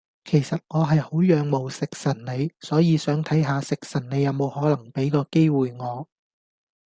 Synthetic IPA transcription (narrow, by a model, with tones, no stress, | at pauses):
kʰe˨˩jsɐ˨t̚ŋɔː˨˧ɦɐ˨jho˨˥wjœː˨˧ŋmo˨wsɪ˨k̚sɐ˨˩nne˨˧jsɔː˨˥jiː˨˧sœː˨˥ŋt̪ʰɐ˨˥jɦaː˨˧sɪ˨k̚sɐ˨˩nne˨˧jɐ˨˧wmo˨˧whɔː˨˥lɐ˨˩ŋpe˨˥jkɔː˧ke˥jwuː˨jŋɔː˨˧